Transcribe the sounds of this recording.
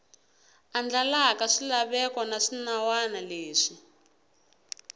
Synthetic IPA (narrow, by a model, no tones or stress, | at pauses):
and͡ɮalakaʂilaβɛkɔnaʂinawanaleːʂi